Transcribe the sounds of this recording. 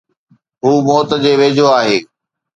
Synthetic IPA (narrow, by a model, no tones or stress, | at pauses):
ɦuːmɔːt̪əd͡ʑeːʋeːd͡ʑʱoaːɦeː